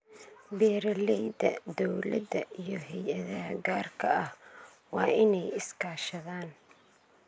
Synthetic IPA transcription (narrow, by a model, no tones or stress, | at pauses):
bɛːɾɐlɛjd̪ɐd̪ɔwlɐ̰d̪ɐijɞɦɛjʔɐðɐɦɐɡaːrkʰɐɐh | wɑːʔɪnɛjɪskʰaːʃɐðaːn